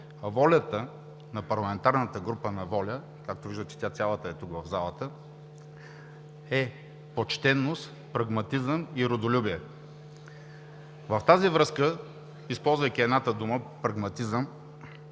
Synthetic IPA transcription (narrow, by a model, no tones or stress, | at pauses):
vɔlʲət̪ə | nɐpɐɾlˠɐmɛnt̪aɾnət̪əɡɾupənɐvɔlʲə | kak̚t̪oviʒd̪ət̪ɛ̥t̪ʲat̪sʲalˠət̪əɛt̪ukvɐvzalˠət̪ə | ɛ | pot͡ʃt̪ɛnːost̪ | pɾɐɡmɐt̪izəmiɾod̪olʲubiɛ | vɐft̪azivɾɤskə | ispɔlˠzvəjkʲiɛd̪nat̪əd̪uməpɾɐɡmɐt̪izəm